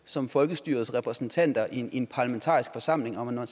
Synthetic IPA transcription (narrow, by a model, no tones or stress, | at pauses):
sɒ̽mfɒ̽lɡ̥əsd̥yːɐðˠsʁɛpʰʁɛsn̩t͡sʰæn̰d̥ɐʔinpʰɑ̈lɐment͡sʰɑ̰̈ːisɡ̥fɒ̽sɑ̈m̰le̝ŋɒmæn